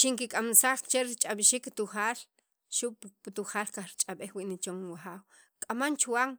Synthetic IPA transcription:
ʃiŋkikʼamsaːχt͡ʃeɾit͡ʃʼaɓiʃikt̪uχaːl | ʃuʔpt̪uχaːlkaχɾit͡ʃʼaɓeχwiʔnit͡ʃoŋwaχaːw | kʼamant͡ʃwaŋ

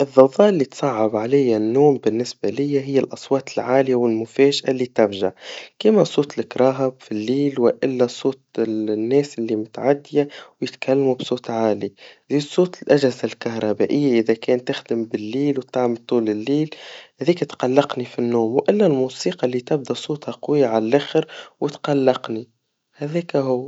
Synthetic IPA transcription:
ʔɪðˤːɑðɑːʔɪlːit̪sˤɑʕːɪbʕalɪjːanːoːmbɪnːɪsbalɪjːaɦɪjːalʔɑsˤwɑːt̪ɪlʕaːlɪjawɪlmʊfɛːʒʔalːiːt̪ɪfʒa̰kɪmasˤuːt̪ˤlɪkɾˤɑːɦabfilːiːlwɪʔɪlːasˤoːt̪nːɛːsʔɪlːimʊt̪ʕad̪ːɪjawjɪt̪kʰalːmubsˤoːt̪ʕaːliziːd̪sˤuːt̪ˤɪlʔaʒhɪzalkahɾˤɑbæːʔɪjːaʔɪðækɛːnt̪ɪxd̪əmbɪlːiːlwt̪aʕmɪt̪ˤːuːlɪlːiːlhæðiːkæt̪qɑlːɑqnifinːuːmwʔɪlːælmuːsiːqɑlːit̪ɪb̚d̪æsˤuːt̪ˤhɑqʊwijːaʕalælʔæxɪɾwɪt̪qɑlːɑqni | hæðɛːkæɦʊwː

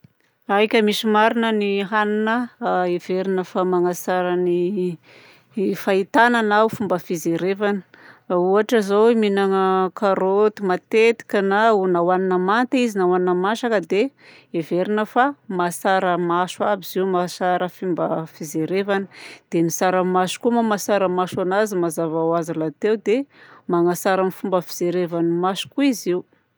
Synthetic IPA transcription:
ajkʲəmisimaɾinəniɦaninəeveɾinəfamaŋasaɾəni | fait̪ananawfumbəfizeɾevanə̥uaʈ͡ʂəzowiminaŋəkaɾot̪imat̪et̪i̥kʲənaunawaninəmant̪izinawaninəmaʃakəd̪e | eveɾinəfamasaɾəmaʃuabiziumasaɾəfimbəfizeɾevanəd̪̥emisaɾəmaʃu̥kumamasaɾəmaʃanazimazavawazilat̪ewd̪emaŋasaɾəmifumbəfizeɾevanimaʃu̥kuiziu

